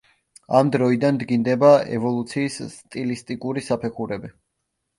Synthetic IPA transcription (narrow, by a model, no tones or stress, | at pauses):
amd̪ɾɔid̪and̪ɡind̪ɛbaɛ̰vɔlˠut̪sʰiːssːt̪ʼilist̪ʼikʼuɾisapʰɛχuɾɛbi